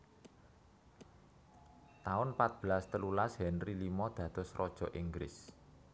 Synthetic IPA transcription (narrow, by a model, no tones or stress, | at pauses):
t̪aʊnpat̪̚b̥əlast̪əlulasɦɛnrilimɔd̪̥ä̤d̪̥ɔ̤srɔd̥ʒ̥ɔ̤ʔiŋɡɾɪ̰s